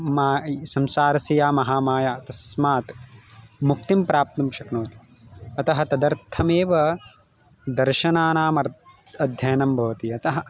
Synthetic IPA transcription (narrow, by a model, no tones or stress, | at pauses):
maːsɐmsaːɾɐsijaːmɐɦaːmaːjaːt̪ɐsmaːt̪ | muk̚t̪impɾaːp̚t̪ɐmʃɐknoːt̪i̥ | ɐt̪ɐɦɐ̆t̪ɐd̪ɐɾt̪ʰɐmeːʋɐ | d̪ɐɾʃɐnaːnaːmɐɾ | ɐd̪ʱjɐjɐnɐmbʱɐʋɐt̪iɐt̪ɐɦɐ